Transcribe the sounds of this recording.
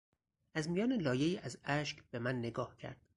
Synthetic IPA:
æzmijɒːnelɒːje̞iːʔæzæʃkb̥e̞mænːe̞ɡɒːhcʰæ̰ɾd̪̥

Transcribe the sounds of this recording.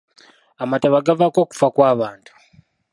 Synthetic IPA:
amataβaɡavako̞ːku̥fakwaːβaːntu̥

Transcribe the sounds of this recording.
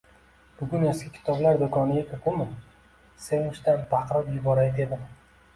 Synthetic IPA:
b̥ʊɡʲʊneskʲɪkʲʰɪ̥t̪ʰɒblaɾd̪okʰɒnɪɡʲakʰʲaqʰʊmɪ | se̞nʊʃt̪anbɑqɾɪpjʊbɒɾajd̪ed̪ɪm

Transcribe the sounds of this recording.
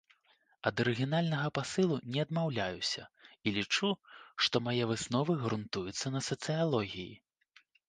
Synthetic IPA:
ɐd̪ɐɾɨɣʲinalʲnɐɣɐpasɨlˠunʲɛɐd̪mawlʲajusʲɐilʲit͡ʂuʂt̪ɔmajɛvɨsnɔvɨɣɾunt̪ujut̪sːɐnɐsɐt̪sɨjalˠɔɣʲijḭ

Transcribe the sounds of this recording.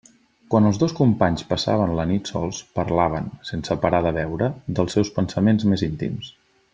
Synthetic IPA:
kwanəlˠzðoskumpaɲspəsa̰βənlənit̪sɔ̰lˠspəɾlaβ̞ənsensəpəɾaðəβɛwɾəd̪əlˠsɛwspənsəmenzmezint̪ḭms

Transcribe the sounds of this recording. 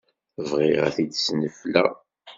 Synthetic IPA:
vʁɪʁæ̰θid̪snəflæ̰

